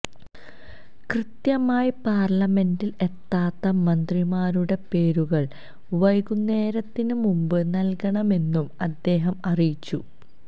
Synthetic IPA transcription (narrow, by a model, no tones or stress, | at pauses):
krɨt̪jɐmaːjipaːrɭɐme̞ndile̞t̪ːaːt̪ːɐmɐnd̪rimaːɾuɽe̞pe̞ːɾuɣɐɭ | ʋɐjkunːe̞ːɾɐt̪ːinɨmumbɨnɐlkɐɳɐme̞nːumɐd̪ːe̞ːɦɐmɐrijit͡ɕːu